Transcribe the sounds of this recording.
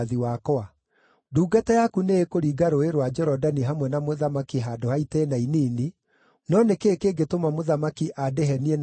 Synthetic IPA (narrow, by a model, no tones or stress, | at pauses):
ðiwakɔa | duːɡatajakuneekoɾiːɡaɾoeɾwad͡ʒɔɾɔdaniɦamwɛnamoðamakiɦadohaitɛnainiːni | nɔnekekeːɡetomamoðamakiʔadeɦɛniɛn